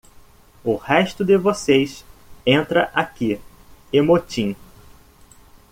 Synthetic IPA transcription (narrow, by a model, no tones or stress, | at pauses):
ʊhɛʃt̪ʊd̪ɪvosejsẽnt̪ɾɐʔaki | emot͡ʃĩ